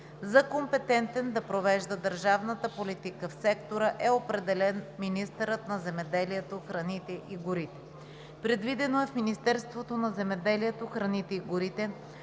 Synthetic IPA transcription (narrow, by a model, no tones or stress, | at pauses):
zɐkompɛt̪ɛnt̪ɛnd̪ɐpɾovɛʒd̪əd̪əɾʒavnət̪əpolit̪ikəfsɛkt̪oɾəʔɛopɾɛd̪ɛlɛnminist̪əɾət̪nɐzɛmɛd̪ɛliɛt̪oxɾɐnit̪ɛʔiɡʊɾit̪ɛ̥ | pɾɛd̪vid̪ɛnoɛfminist̪ɛɾst̪vot̪onɐzɛmɛd̪ɛliɛt̪oxɾɐnit̪ɛiɡʊɾit̪ɛ